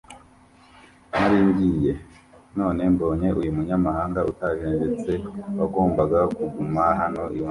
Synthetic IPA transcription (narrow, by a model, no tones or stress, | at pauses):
naɾiːmɡije̞ | no̞ːne̞mbo̞ːɲe̞ʔujumuɲamahaːŋɡautaʒeːnd͡ʒet͡se̞waɡo̞ːmbaɡakuɡumaɦano̞ʔiwa